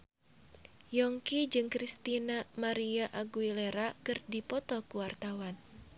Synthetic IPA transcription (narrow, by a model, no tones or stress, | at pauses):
jɔŋkid͡ʒɨŋkɾist̪inamaɾiaʔaɡuileɾakɨrdipɔt̪ɔkuwart̪awan